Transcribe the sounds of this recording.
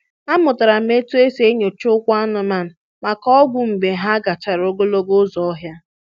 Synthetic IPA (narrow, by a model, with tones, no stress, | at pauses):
a˦mʊ˨ta˨ɾa˨m̩˦e˦tu˦e˦se˦ɲo˨t͡ʃʊ˦kʷa˦nʊ˨ma˨n̩˨ | ma˨kɔ˦ɡʷʊ˨m̩˨be˨ɦa˦ɡa˨t͡ʃa˨ɾo˦ɡo˦lo˦ɡʊ˦zɔ˨ɔ˦ɦja˦